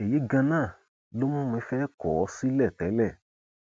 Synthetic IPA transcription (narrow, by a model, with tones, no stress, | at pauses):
e˨je˨˦ɡã˧nãː˦˨ | lo˦mũ˦m˧ĩ˧˦fɛ˦kɔ˨ɔ˧˦si˦lɛ˦˨tɛ˨˦lɛ˦˨